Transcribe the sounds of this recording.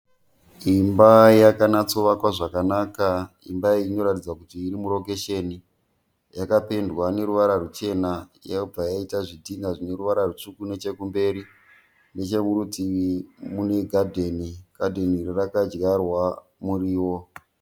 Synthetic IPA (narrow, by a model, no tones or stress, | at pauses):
imbajakanat͡soʋakwaʐakanaːka | ḭmbaiino̞ɾatid͡zakutiːɾimuɾo̞ke̞ʃeni | jakape̞ndwane̞ɾuʋaɾarut͡ʃe̞najaub͡vajaitaʐidʱiŋɡaʐine̞ɾuʋaɾarut͡ʂukune̞t͡ʃe̞kumbe̞ɾi | ne̞t͡ʃe̞muɾutimune̞ɡʱadʱe̞niɡ̥ʱadʱe̞niːrirakad͡ʒɡarwa | muɾiːwo̞